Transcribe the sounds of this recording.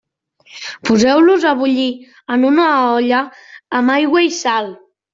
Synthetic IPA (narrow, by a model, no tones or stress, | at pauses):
puzɛwluzaβ̞uʎi | ənunaɔʎəːmajɣwəisal